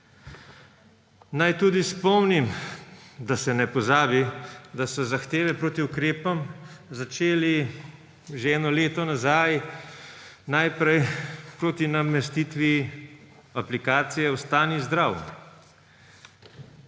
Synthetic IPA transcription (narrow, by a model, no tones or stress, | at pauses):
najt̪uːd̪ispɔmnim | d̪asɛnɛpɔzaːbid̪asɔzaxt̪eːʋɛpɾoːt̪iukɾeːpɔmzat͡ʃeːli | ʒeɛːnɔleːt̪ɔnazaj | najpɾɛjpɾoːt̪inamɛst̪it̪ʋi | aplikaːt̪sijɛwst̪aːnizd̪ɾaw